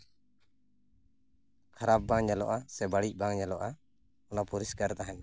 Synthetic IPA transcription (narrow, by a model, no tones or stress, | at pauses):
kʰaɾap̚baŋɲalɔʔasɛbaɽic̚ˀbaŋɲalɔʔa | ɔnapuɾiskaɾt̪aɦɛn